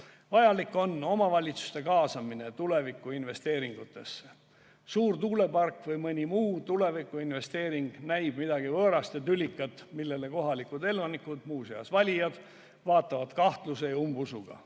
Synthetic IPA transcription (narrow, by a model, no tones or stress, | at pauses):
vɑjɑlikːˑo̞nːo̞mɑvɑlʲit̪su̥st̪e̞kɑːsɑmine̞t̪ule̞vikːˑuinve̞st̪e̞ːɾiŋɡ̥ut̪ːˑe̞sːe | suːrt̪uːle̞pɑrkvɤjmɤnʲimuːt̪ule̞vikːˑuinve̞st̪e̞ːɾiŋɡ̥næjb̥mid̪̥ɑɡ̥ivɤːɾɑst̪et̪ylʲikːˑɑt̪ːmilːe̞leko̞ɦɑlikud̪e̞lvɑnikud̪̥muːseɑsvɑlʲijɑd̪̥ | vɑːt̪ˑːɑvɑd̪̥kɑht̪luse̞jɑumbusuɡ̥ɑ̰